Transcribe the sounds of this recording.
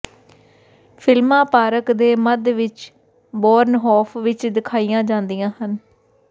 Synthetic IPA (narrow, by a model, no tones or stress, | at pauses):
pʰɪlmãːpaːɾəkd̪eːməd̪ʋɪt͡ʃ | bɔːɾnɦɔːpʰʋɪt͡ʃd̪ɪkʰaːijãːd͡ʒãːnd̪ijãːɦən